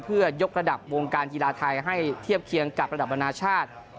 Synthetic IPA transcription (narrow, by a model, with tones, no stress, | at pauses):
pʰɯ˥˩ɐjo˦˥k̚ɾa˧da˨˩p̚woː˧ŋkaː˧nkiː˧laː˧t̪ʰa˧jɦa˥˩jt̪ʰi˥˩əp̚kʰi˧əŋka˨˩p̚ɾa˧da˨˩p̚ma˧naː˧t͡ɕʰaː˥˩t̪̚